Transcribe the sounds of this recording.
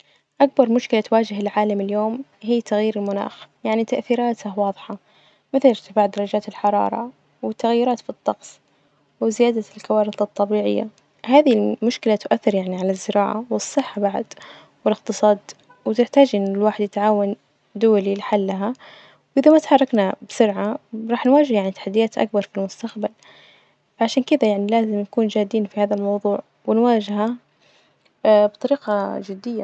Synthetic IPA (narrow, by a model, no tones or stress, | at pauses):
ʔak̚bɑɾˤmʊʃkɪlat̪waːd͡ʒɪɦɪlʕaːlamɪljoːmɦiːt̪ʰaɣjiːɾɪlmʊna̰ːxjaʕnit̪aʔθiːɾaːt̪awɑːðˤħɑ | mɪθalɪɾt̪ɪ̥faːʕd̪ɑɾˤɑd͡ʒaːt̪ɪlħɑɾˤɑ̰ːɾˤɑ̰ | wɪt̪ːaɣjːʊɾɑːt̪fit̪ˤːɑqsˤ | wɪzɪjaːd̪alkawaːɾɪθɨt̪ˤːɑbiːʕɪ̰jːa̰ | haːðilmʊʃkɪlat̪ʊʔaθːɪɾjaʕniʕalazːɪɾʔɑ̰ːʕa̰wɨsˤːɨħːabaʕa̰d̪ | wɪlɪqt̪ɨsˤɑːd̪ | wɪt̪ɪħt̪aːd͡ʒʔɪnːɪlwaːħɪd̪jɪt̪ʕaːwan | d̪ʊwalilɪħalːaɦa | wʔɪðamat̪ħɑrˤːɑknabsʊɾʕaɾˤɑːħnwaːd͡ʒɪhjaʕnit̪ḁħad̪ːɪjaːt̪ʔa̰k̚bɑɾˤfilmʊst̪axbal | fʕaʃaːnkɪd̪ajaʕnilaːzɪmjakuːnd͡ʒaːd̪iːnfihaːðalmɑwðˤuːʕ | wɪnwaːd͡ʒha | bt̪ˤɑɾiːqɑd͡ʒɪd̪ːɪjːa